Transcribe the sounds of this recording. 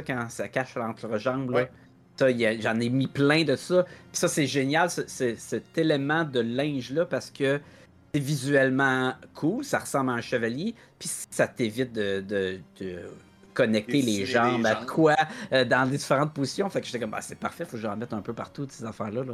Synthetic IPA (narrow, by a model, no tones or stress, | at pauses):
ɔkɑ̃sakʲaʃlɑ̃t̪ʰʁəʒɑ̃ːblɔ | sɔjaʒɑ̃ːnemiplɛ̃d̪ət̪u̥sʌpi̥sʌsɛʒenjalsəsɛsɛt̪elemɑ̃d̪əlɛ̃ʒlʌpaʁsə̥kʰʲə | sɛvizyɛlmɑ̃kʰulsaʁəsɑ̃blaə̃ʃəvalje | pisi̥sat̪evɪt̪̚d̪əd̪əd̪ø | kɔnɛk̚t̪eleʒɑ̃bakʰwad̪ɑ̃led͡z̪ifeʁɑ̃t̪̚pozisjɔ̃fakʒet̪ɛkɔmɛ̰sɛpaʁfɛfoʒɑ̃mɛt̪χɛ̃pøpaʁt̪usezafæːʁlʌlɔ